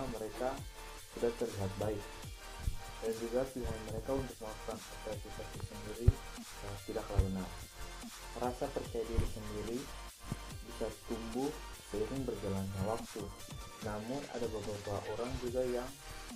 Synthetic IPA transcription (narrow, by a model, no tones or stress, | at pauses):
məɾeka | sudaht̪ərliɦat̪̚baɪk̚ | dand͡ʒuɡapiɦanməɾekaunt̪ʊk̚məlaku̥kanat̪ɾasifasisəndiɾiət̪idaklainan | ɾasapərt͡ʃajadiɾisəndiɾi | bisat̪umbʊhsəiɾɪŋbərd͡ʒalanɲawak̚t̪u | namʊna̰dabəbat̪uaʔoɾaŋd͡ʒuɡajaŋ